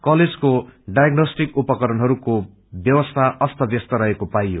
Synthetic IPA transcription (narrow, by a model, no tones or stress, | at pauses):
kʌled͡zkoɖajʌɡnosʈikupʌkʌɾʌnɦʌɾuko | bjʌwʌst̪ʰaʔʌst̪ʰʌbjʌst̪ʌɾʌɦekopajjo